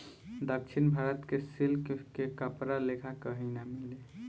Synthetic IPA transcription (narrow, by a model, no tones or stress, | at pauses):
d̪ək̚t͡ʃʰinbʱaɾət̪kesilkkekəpɾalekʰakəɦinamili